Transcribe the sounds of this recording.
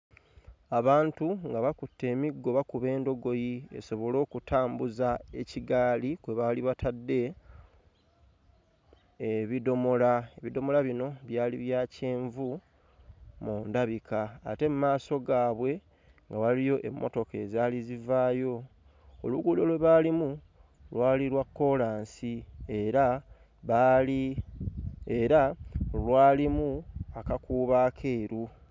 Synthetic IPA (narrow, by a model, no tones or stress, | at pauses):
aβaːntuŋɡaβakutːe̞ːmiɡːo̞βakuβe̞ːndo̞ɡo̞jie̞̰so̞βo̞lo̞ːkutʰaːmbuzae̞ciɡaːlikwe̞βaliβatʰadːe̞ | βido̞mo̞laeβido̞mo̞laβino̞βjaːliβjaːce̞ːɱvu | mundaβikʰa̰ːte̞mumaːso̞ɡaːβwe̞ | ŋɡawalijo̞ʔe̞̰mːo̞̰to̞ke̞zaːlizivaːjo̞ | o̰luɡuːdo̞lwe̞βaːlimu | lwaːliɾwakːo̞laːnsieɾa | ali | eɾalwaːlimuakakuːβaːkʰe̞ːɾu